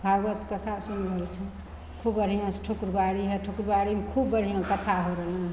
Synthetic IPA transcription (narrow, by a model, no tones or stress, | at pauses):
bʱaɡət̪kət̪ʰasunbəlt͡ʃʰə | kʰubːəɽ̤ijãsʈʰukɾbaɽiɦeʈʰukɾbaɽimkʰubːəɽ̤ijãkət̪ʰaɦoɾəl